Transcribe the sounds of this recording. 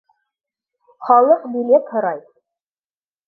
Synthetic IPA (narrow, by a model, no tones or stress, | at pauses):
χɑlˠɤqbilet̪hɤ̆ɾɑj